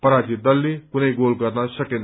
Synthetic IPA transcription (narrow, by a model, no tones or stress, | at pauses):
pəɾat͡ʃid̪ʌlːikunəiɡolɡʌɾnasʌken